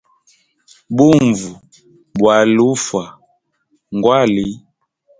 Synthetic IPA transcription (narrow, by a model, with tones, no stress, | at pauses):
bu˦˨ɱvu˨ | bwa˨lu˦fwa˨ | ŋɡwa˦˨li˦